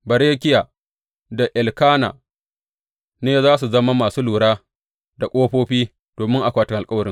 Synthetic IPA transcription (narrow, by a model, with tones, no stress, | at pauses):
bɐ˨ɾeː˦kʲɪ˦ja˨ | da˨ʔɪ˨lkaː˦na̰ː˨ | neː˦zaː˦s̬u˨zɐ˦ma˦maː˨suː˦luː˨ɽaː˦ | da˨kʷʼoː˦ɸoː˦ɸiː˦ | d̥oː˨mɪ˦ŋʔa˨kʷaː˦tɪ˦ŋʔa˨kʼɐ˦wɐ˨ɾɪ˦ŋ